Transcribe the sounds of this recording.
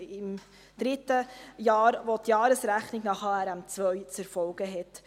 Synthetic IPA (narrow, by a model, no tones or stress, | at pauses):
ɪm | d̥ɾɪtəjɑːɾʋotjɑːɾəsɾæχnɪɡnɑχɑːɛɾæmt͡sʋœʏt͡sɛɾfɔlɡ̥əɦɛt